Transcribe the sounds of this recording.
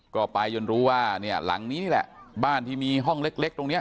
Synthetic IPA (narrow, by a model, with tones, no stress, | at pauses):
kɔː˥˩pa˧jːo˧nɾuː˦˥waː˥˩ni˥˩ɐla̰˩˦ŋniː˦˥niː˥˩lɛ̰˨˩ʔbaː˥˩nt̪ʰiː˥˩miː˧ɦɔ˥˩ŋle˦˥k̚le˦˥k̚t̪o˧ŋni˦˥ɐ